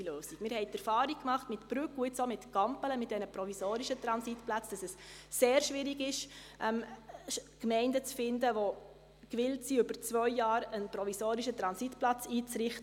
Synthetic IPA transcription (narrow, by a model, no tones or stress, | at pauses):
løːsikmɪːɾhɛɪtɛɾfɑːɾikkmɑχtmɪtb̥ɾʉkuɪt͡somɪtɡ̥ɑmpələmɪt̚dɛnəpɾɔvisoːɾiʃət̪ɾɑnsitplat͡sd̥ɑsɛsseːɾʃʋɪɾiɡɪʃʔɛm | kmɛɪndət͡sfɪndəʋo | kʋɪltsiʏbəɾt͡svœʏːɑːɾənpɾɔvisoːɾiʃət̪ɾɑnsitplɑt͡siːt͡sɾɪχtə